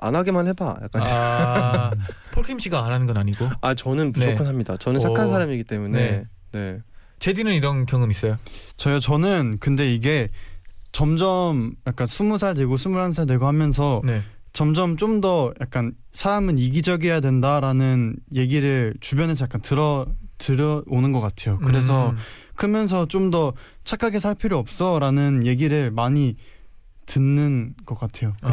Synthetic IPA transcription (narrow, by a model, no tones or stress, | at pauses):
a̰nɦaɡemanheba̰ja̰k͈a | pʰoɭkʰimɕʰiɡaːnɦanɯnɡʌnaɲiɡoat͡ɕʌnɯnbuusʰokʰɯnɦamɲidat͡ɕʌnɯnʰakʰans̬ʰaɾamiɡit͈e̞mune̞ | ne̞ | t͡ɕe̞dinɯniɾʌnkjʌŋɯmis͈ʌjot͡ɕʌjʌt͡ɕʌnɯnkɯnde̞iɡe̞ | t͡ɕʌmd͡ʑʌmjak͈̚ansʰumus̬ʰaɭdwe̞ɡosʰumuɭhansʰaɭdweɡohamjʌns̬ʰʌne | t͡ɕʌmd͡ʑʌmt͡ɕ͈omdʌjak̚k͈an | sʰaɾamɯniɡid͡ʑʌɡijadwe̞ndaɾanɯnje̞ɡiɾɯɭt͡ɕubjʌnesʰʌjak͈antɯɾʌtɯɾʌonɯnɡʌk͈atʰe̞jokɯɾe̞s̬ʰʌkʰɯmjʌns̬ʰʌt͡ɕ͈omdʌt͡ɕʰakʰaɡe̞sʰaɭpʰjiɾjoʌp̚s͈ʌɾanɯnje̞ɡiɾɯɭmaɲi | tɯnːɯnɡ̥ʌk͈atʰe̞jok